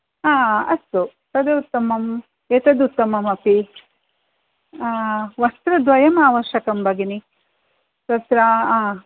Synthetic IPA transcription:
aːɐst̪u | t̪ɐd̪eut̪ːɐmɐm | et̪ɐd̪ut̪ːɐmɐmɐpi | ʋɐst̪ɾɐd̪ʋɐjɐmaːʋɐɾʃɐkɐmbɐɡini | t̪ɐt̪ɾɐa

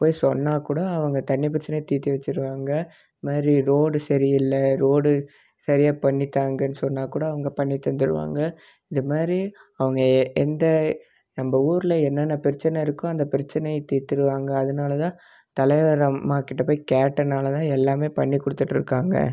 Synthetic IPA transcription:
poːjsɔnːaːkuːɽɐɐʋɐŋɡɐt̪ɐɳːɪp̬ɪɾɪt͡ʃːɐnɐjt̪iːt̪ːiʋɐt͡ʃːɪɾɯʋaːŋɡɐ | maːd̪ɾiɾoːɽɯsɐɾɪjɪlːɐɾoːɽɯ | sɐɾɪjaːpɐɳːit̪ːaːŋɡɐnːɯsɔnːaːkuːɽɐːʋɐŋɡɐpɐɳːɪt̪ːɐnd̪ɯɾɯ̰ʋa̰ːŋɡɐ | ɪðɯmaːd̪ɾiɐʋɐŋɡɐɛnd̪ɐ | nɐmbɐuːɾlɐɛnːɐnːɐpɪɾɪt͡ʃːɐnɐɪɾɯkːʊ̃ɐnd̪ɐpɪɾɪt͡ʃːɐnɐɪt̪iːt̪ːɪɾɯʋaːŋɡɐːðɯnaːlɐt̪ãː | t̪ɐlɐɪʋɐɾɐmaːkɪʈːɐpoːjikaːʈːɐnaːlɐt̪ãːɛlːaːmeːpɐɳːikːʊɽɯt̪ːɯʈːɪɾɯkːaːŋɡɐ̰

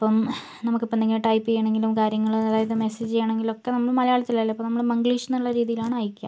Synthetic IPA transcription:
ɐpːɐm | nɐmukːɨpːend̪ɐŋːeʈɐjpːejːɳe̞ŋɡilumkaːɾjɐŋːɐɭɐðaːjɐðɨmesed͡ʑt͡ɕejaɳeŋɡilokːe̞nɐmːɐɭmɐlɐjaːɭit͡ɕːilːalːɐpːomnɐmːɐɭmɐŋɡɭiːʂɐnːuɭːɐɾiːðijilaːɳɨaːjikʲːa̰m

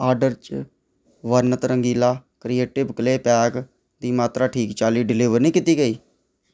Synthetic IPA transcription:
aːɾɖəɾt͡ʃ | ʋəɾnət̪ɾəŋɡiːlaːkɾieːʈɪbkleːpɛːk | d̪iːmaːt̪ɾaːʈʰiːkt͡ʃaːliːɖɪlɪːʋəɾnĩːkɪt̪iːɡəiː

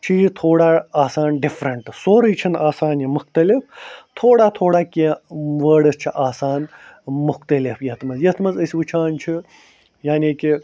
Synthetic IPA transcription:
t͡ʃʰiːjzt̪ʰoːɽaːaːsaːnɖifɾɐɳʈsoːɾɨjt͡ʃʰinaːsaːnjɐmʊxt̪ɐlift̪ʰoːɽaːt̪ʰoːɽaːkiʋəːɽɨst͡ʃʰiʔaːsaːnmʊxt̪ɐlifjɐt̪mɐzjɐt̪mɐzəsʲiʋɨt͡ʃʰaːnt͡ʃʰi | jaːniːki

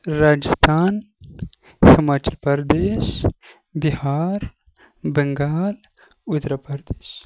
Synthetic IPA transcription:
ɾaːd͡ʒist̪aːn | xɐmaːt͡ʃɐlpɐɾd̪eʃ | bihaːɾ | bəŋɡaːl | ud̪ɾapɐɾd̪eːʃ

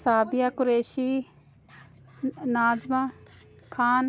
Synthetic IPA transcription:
saːbɪjaːkʊɾeːʃiː | naːd͡ʒmãː | kʰaːn

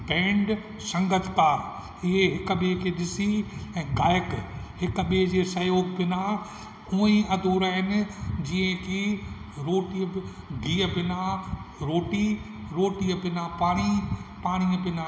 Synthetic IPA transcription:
bɛ̃ːɳɖ | sɐ̃ŋɡət̪ʰk̪aːɾ | ɪɦeɦɪkɓekʰeːɗɪsiɛ̃ːɡaːjɪkhɪkɓed͡ʑeːsɐjoːɡbɪna | uːĩɐd̪ʱoːɾaːɦɪnɪ̆d͡ʑiːə̃kʰiɾoːʈi | ɡʱiːəbɪnaɾoːʈi | ɾoːʈiəbɪnapaːɽ̃ipaːɽ̃iəbɪna

